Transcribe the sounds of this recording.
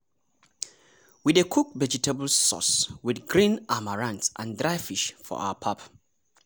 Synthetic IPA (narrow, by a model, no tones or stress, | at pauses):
widekʰuk̚vɛd͡ʒitʰɛbəl̩sɔ̰swidɡɹĩnʔamaɹãntsʔãndɹaɪfiʃfɔ̰ʔa̰ʊəpʰap